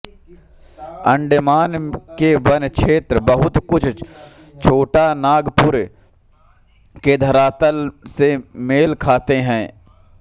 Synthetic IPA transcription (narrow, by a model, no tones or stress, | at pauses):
ə̃ɳɖəmaːnkebənkʃʰeːt̪ɾbəɦʊt̪kʊt͡ʃʰ | t͡ʃʰoːʈanaːɡpʊɾe | ked̪ʱəɾaːt̪əlsemeːlkʰaːt̪eɦɛ̃ː